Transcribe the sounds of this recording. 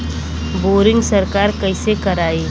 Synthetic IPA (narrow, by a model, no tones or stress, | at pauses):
boːɾɪ̃ŋɡsɐɾkaːɾkɐɪsekɐɾaːeː